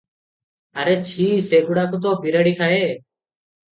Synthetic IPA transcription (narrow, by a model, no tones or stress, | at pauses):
aɾeːt͡ʃʰiːseːɡuːɽaːkot̪̬oːpiːɾəːɽiːkʰaːɦeː